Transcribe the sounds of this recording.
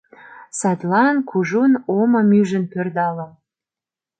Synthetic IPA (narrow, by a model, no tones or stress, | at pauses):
sɑt̪lɑnkʰuʒunomɤ̆myʒə̆npørd̪ɑlə̆